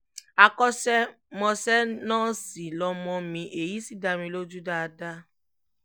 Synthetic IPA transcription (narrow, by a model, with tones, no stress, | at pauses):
a˧kɔ˦sɛ˦ | mɔ̃˧sɛ˦nãː˦si˨lɔ˧mɔ̃˧mĩ˧ʔe˨ji˦si˦da˧mĩ˧lo˦d͡ʒu˦da˦˨da˦